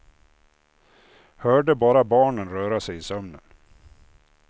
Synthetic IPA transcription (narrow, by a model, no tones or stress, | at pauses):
hœːɖəbɑːɾabɑːɳənɾœːɾasɛjɪsœmnə̰n